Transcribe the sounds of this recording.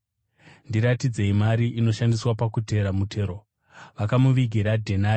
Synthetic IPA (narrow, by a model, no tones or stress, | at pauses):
ndiɾatid͡ze̞imaɾiʔino̞ʃandiswapakute̞ɾamutʰe̞ːɾo | ʋakamuʋiɡʱiɾadʱena